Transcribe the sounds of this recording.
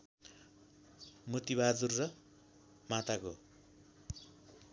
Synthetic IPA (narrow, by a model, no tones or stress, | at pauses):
mut̪iβad͡zurːʌ | mat̪ako